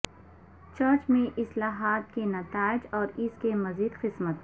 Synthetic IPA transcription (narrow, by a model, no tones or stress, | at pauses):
t͡ʃəɾt͡ʃmẽʔɪslaːɦaːt̪kenɐt̪aːɪd͡ʒɔːɾɪskemɐziːd̪qɪsmət̪̚